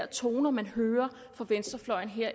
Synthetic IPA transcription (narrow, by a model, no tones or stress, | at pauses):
ɐ̰t͡sʰo̝̰ːnɐmænhøːɐ | fɒ̽ʋensd̥ɐflɒ̽ɪ̰n̩ɦeɐ̰